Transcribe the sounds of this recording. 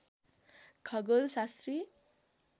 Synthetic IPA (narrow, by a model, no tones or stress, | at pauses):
kʰʌɡʌlsast̪ri